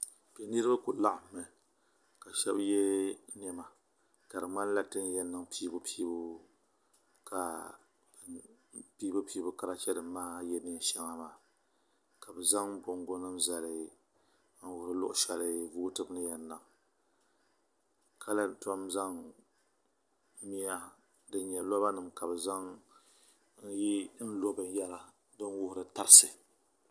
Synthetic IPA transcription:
pɛ˨nɨ˦ɾɨ˦ba˦kʊ˨la˦ʔa˨mː˦ɛ˨ | ka˨ʃɛ˦bjɛ˦n˦ɛ˨ma˨ | ka˨ɾɨ˨ŋ͡ma˦n˦la˦tɨ˦n˦jɛ˦nːɨ˨ŋpiː˦bʊ˦pʰiː˦bu˦ | kʰa˨˦ | piː˦bɨ˦piː˦bʊ˦ka˦ɾa˦t͡ʃɛ˦dɨ˨mː˦aː˦jɛ˦nɨ˦˨ʃɛ˦ŋa˨maː˨ | ka˨bɛ˨za˦ŋ˦bʊ˨ŋɡʊ˦nɨ˦mza˨lɨ˨ | n̩˦wʊ˨hʊ˨ɾɨ˦lʊ̰˦ʔʊ˦ʃɛ˨lɨ˦vuː˦tɨ˦bɨ˦nɨ˦jɛ˨nːa˨ | ka˦la˦n˨tɔ˦mza˦ŋ˦ | mi˦a˦ | dɨ˦ɲɛ˨lɔ˦βa˦nɨ˨mka˨bɨ˨za˦ŋ | n̩˦ji˦n̩˦lo˦bɨ˨n˦ja˦la˨ | dɨ˦n˦wʊ˦hʊ˨ɾɨ˨ta˦ɾɨ˦sɨ˨

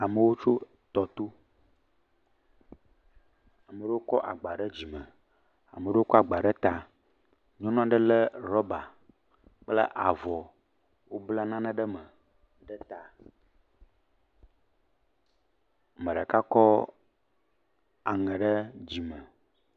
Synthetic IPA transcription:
a˨mə˨wo˦t͡ʃo˦ | t̪ɔ˨t̪o˦ | a˨mə˨ɖə˦o˦kɔ̰˦ʔa̰˨ɡ͡ba˨ɖə˦d͡ʑi˨mə̰̃˨ | a̰˨mə˨ɖə˦wo˦kɔ˦a˨ɡ͡ba˨ɖə˦t̪a˨ | ɲɔ̃˦nɔ̃˦a˦ɖə˦lə˦ɾɔ˦ba˨ | k͡plə̰˦ʔa˨vɔ˨ | wo˦bla˦nã˦nã˦ɖə˦mə˨ | ɖə˦t̪a˨ | mə̃˨ɖə˨ka˦kɔ˦ | a˨ŋɛ̃˨ɖə˦d͡ʑi˨mə̃˨

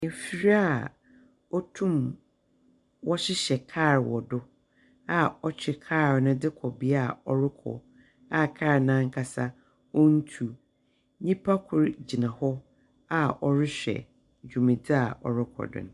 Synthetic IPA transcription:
e˨fi˦ɾi˦a˦˨ | ɔ˦tʰũ˦m | wɔ˦ɕɪ˦ɕɛ˨kʰaː˦˨ɾwɔ˨dʊ˦ | a˨ɔ˦t͡ɕʰᶣɪ˨kʰaː˦˨ɾnʊ̃˦dɪ˦kʰɔ˨bi˦a˨ɔ˦ɾɪ˦kʰɔ̰˨ | a˨kʰaː˦˨ɾnã˦ŋ̩˦kʰa˨sa˦ | ɔ˦n̩˦tʰu˨ | ɲĩ˦pʰa˦kʰʊ˨ɾd͡ʑi˨nã˨hɔ˦ | a˦ɔ˦ɾɪ˦ɕᶣɛ̰˨ | d͡ʑᶣu˨mĩ˨dɪ˦a˨ɔ̰˨ɾɪ˦kʰɔ̰˨dɪ̰̃˨n˦

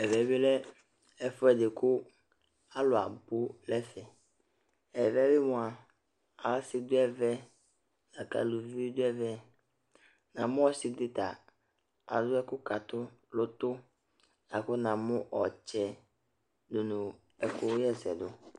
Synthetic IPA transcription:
ɛ˨vɛ˨˦bɪ˦lɛ˦ | ɛ˨fʊ˦ɛ˨dɪ˨kʰʊ˦ | a˦lʊ˨a̰˨bu˦lɛ˦fɛ˨ | ɛ˨vɛ˦bɪ˦mʊ̃˨a˨ | a˨˦sɪ˦d̪ʊ˦ɛ˦˨vɛ˦ | na˨ka̰˨lu˨vi˦i˦d̪ʊ˦ɛ˦vɛ˦ | nã˨mʊ̃˦ɔ˦sɪ˨dɪ˦t̪a˨ | a̰˨dʊ˦ɛ˦kʊ˦ka˨t̪ʊ˦lʊ˨t̪ʊ˦ | na˨kʊ˦nã˨mʊ̃˦ʔɔ˨t͡ʃɛ˨ | dʊ˨nʊ̃˨ | ɛ˨kʊ˦jɛ˦sɛ̰˨d̪ʊ˦

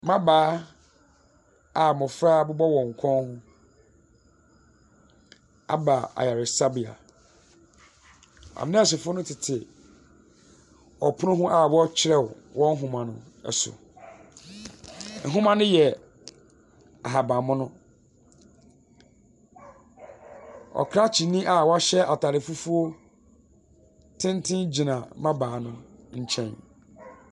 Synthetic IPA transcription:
mã˦baː˨˦ | a˨mʊ̃˨fɾaː˦bʊ˦bɔ˦wɔ̃˨ŋ̩˨kʷʰɔ̃˦nhʊ̃˦ | a̰˦ba˨a̰˨ja˨ɾɪ˨sa˦bi˨a̰˨ | a̰˨mɪ˦nĩ˦˨s̬ɪ˨fʊ˦nʊ̃˦tʰɪ˨tʰɪ˨ | ɔ˨pʰʊ˦nʊ̃˦ɦʊ̃˦ʔa˨wɔ˦t͡ɕʰɪ˦ɾɛ˦˨wwɔ̃˦n̩˦ɦũ˨mã˨nʊ̰̃˨ | ɛ̰˨sʊ̰˨ | n̩˨ɦʊ̃˦mã˦nʊ̃˦jɛ˨ | a˨ɦa˨bã˨mʊ̃˦nʊ̃˦ | ɔ̰˨kʰɾa˦t͡ɕʰi˨nĩ˦ʔa˦wɔ˦a˦ɕɛ˦ʔa˨tʰa˨ɾɪ˨fu˦fu˦o˦ | tʰɪ̃˦n˦tʰɪ̃˦nd͡ʑi˨nã˨mã˦baː˨nʊ̃˦ɲ̩˨t͡ɕʰɛ̃˦n

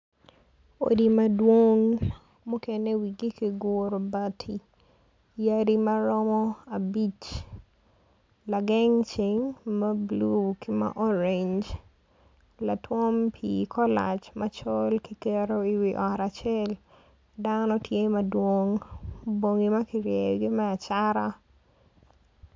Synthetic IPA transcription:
o̰˨di˨madwo˦ŋ | mu˦kene˦wiɡi˦ki˨ɡoɾo˨batʰi˨ | jaɾima˦ɾɔmɔ˦abi˦t͡ʃ | la˨ɡɛ˦ŋt͡ʃɪŋma˦blukɪma̰ʔɔ˦ɾeɲd͡ʒ | la˨twɔ˦mpʰikʰɔ˦la̰˨t͡ʃmat͡ʃɔlkikɛ˦ɾo˦i˨wiʔɔ˨ɾat͡ʃɛ˦l | da˦nɔ˦nɔ˦tje˦mɐdwoŋbo˨ŋi˨mɐ˦kɪɾjɛɡɪ˦mɛa˨t͡ʃaɾa

